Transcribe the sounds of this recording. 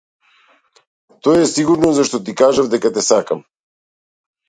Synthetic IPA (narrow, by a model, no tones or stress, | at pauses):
t̪ɔɛsiɡuɾnɔzaʃt̪ɔt̪ikaʒavd̪ɛkat̪ɛsakam